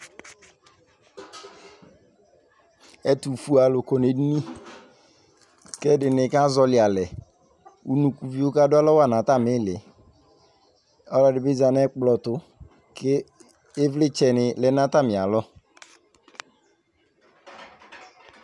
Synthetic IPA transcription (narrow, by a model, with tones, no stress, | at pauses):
ɛ˦tu˨fu˨˦a˨lʊ˨ko˨ne˨di˦ni˦ | kɛ˦dɪ˨nɪ˨ka˦zɔ˨lɪ˨a˨lɛ˨ | ṵ˦nu˨ku˨vi˦o˦ka˦dʊ˦a˦lɔ˦wa˦˨nã˨ta˦˨mɪ˨˦lɪ˨ | ɔ˦lɔ˨dɪ˨bɪ˦za˨nɛ˦k͡plɔ˨tʊ˨ | kɪː˦ | vlɪ˦t͡ʃɛ˨nɪ˨lɛ˨˦na˦ta˦˨mɪ˨a˨lɔ˦